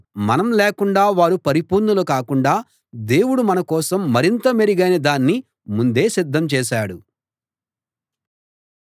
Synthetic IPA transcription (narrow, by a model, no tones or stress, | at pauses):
mɐnɐmlɛːkuɳɖaːʋaːɾupɐɾipuːɾnulukaːkuɳɖaː | d̪e̞ːwuɽumɐnɐkɔːsɐmːɐɾint̪ɐmeɾiɡɐjnɐd̪aːnːi | mund̪e̞ːsid̪ʱːɐmt͡ʃɛːʃaːɽu